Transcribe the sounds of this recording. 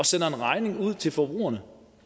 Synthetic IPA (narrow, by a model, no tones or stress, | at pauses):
ɒ̽sen̰ɐenʁɑ̈ɪne̝ŋuð̞̰ˠt͡sʰe̝lfɒb̥ʁṵːɐnə